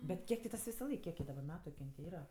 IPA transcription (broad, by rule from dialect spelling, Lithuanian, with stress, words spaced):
ˈbʲɛt ˈkʲiɛk tʲɪ ˈtɐs ʋʲɪsɐˈlˠɐɪk ˈkʲiɛk jɪ dɐˈbɐr ˈmʲæːtʊ kʲɪ ˈjɪn tʲɪ ˈiːrɐ